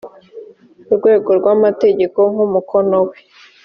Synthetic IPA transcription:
uɾɡwe̞ːɡo̞ɾɡwamate̞ɟe̞koŋ̥umukʰo̞nowe

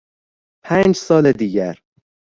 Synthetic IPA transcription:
pʰænd͡ʒsɒːled̪iːɟæɾ

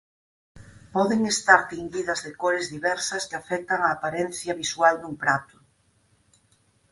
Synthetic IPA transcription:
pɔðeŋest̪aɾt̪iŋɡiðɐzðekoɾezðiβɛɾsɐskɪafɛk̚t̪ɐŋaːpaɾen̟θjɐβiswald̪uŋpɾat̪ʊ̥

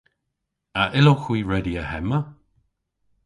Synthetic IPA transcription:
əʔɪloxwiːɹɛdiəhɛmə

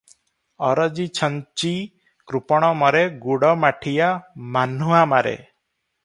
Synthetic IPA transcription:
ɔɾɔd͡ʒit͡ʃʰɔɲt͡ʃi | kɾupɔɽ̃ɔmɔɾeɡuɽɔmaʈʰijamanuɦamaɾḛ

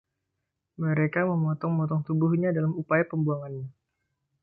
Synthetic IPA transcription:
məɾekaməmɔt̪ɔŋmɔt̪ɔŋt̪ubuhɲadalamupajapəmbuaŋanɲa

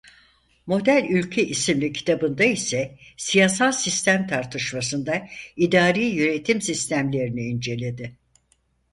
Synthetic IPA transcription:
mo̞d̪ælʲylʲcʰeʔisimlʲicʰi̥t̪ʰabɯnd̪aisɛsijasalˠsist̪ʰæmt̪ʰaɾt̪ʰɯʃmasɯnd̪aid̪aːɾiːjyɾe̞t̪ʰimsist̪ʰæmlʲe̞ɾiniːnd͡ʒe̞lʲe̞d̪ɪ

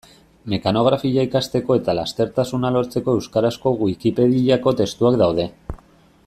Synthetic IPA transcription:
me̞kano̞ɣ̞ɾafiʎaikast̪e̞ko̞e̞t̪alast̪e̞ɾt̪asunalo̞ɾt͡se̞ko̞e̞wskaɾasko̞ɣwikipe̞ðiako̞t̪e̞st̪uakd̪awð̞e̞

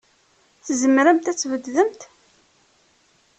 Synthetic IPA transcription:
θzəmɾəmt̪æt͡sːvəd̪ðəmt̪

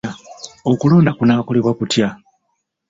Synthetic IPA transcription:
ao̞kulo̞ːndakunaːko̞le̞βwakutja

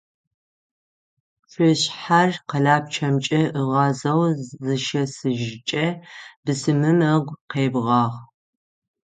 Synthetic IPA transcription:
ʂʷɪɕħarqɐɮaːp̚t͡ʃʰɐmt͡ʃʼɐʔɨʁɑːzɐwzɨʃɐsɨʒt͡ʃʼɐbɨsɨmɨmɨʁʷqeːbʁɑːʁ

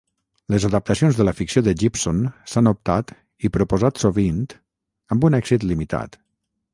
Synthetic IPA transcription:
ləzəðəp̚t̪əsionzðələfiksioðəʒipsonsanup̚t̪at̪ | ipɾupuzat̪soβint̪ | əmbunɛɡzit̪limit̪a̰t̪

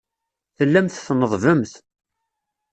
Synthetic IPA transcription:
θəlːæmθθnəðˤvəmθ

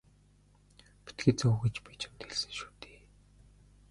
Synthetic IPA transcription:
pi̥t̪̚ɡeːt̪̚t͡sɔɣet͡ɕpæːt͡ɕʰḁmt̪ʰeɮsɘ̥̆ŋʃu̥ːt̪e̥ː

